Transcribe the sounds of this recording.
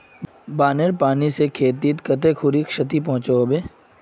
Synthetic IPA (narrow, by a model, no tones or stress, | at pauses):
baːneɾpaːnisekʰeːt̪it̪kɐt̪ekʰʊɾikʃət̪ip̬ɔ̃ɦʊ̃t͡ʃaobeː